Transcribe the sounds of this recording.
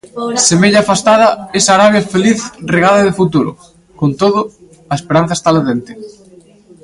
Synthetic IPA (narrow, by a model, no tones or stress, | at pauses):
semeʎaːfast̪aðɐesaɾaβjafeliθreɣaðɐðɪfut̪uɾʊ̰ | kont̪oðʊ | ɐespeɾan̟θɐe̥st̪aleðent̪ɪ̥